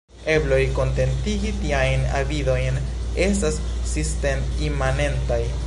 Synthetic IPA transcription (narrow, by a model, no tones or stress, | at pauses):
e̞blo̞jko̞nte̞ntiɡitiajna̰vido̞jn | e̞stasː | istem | imane̞ntaj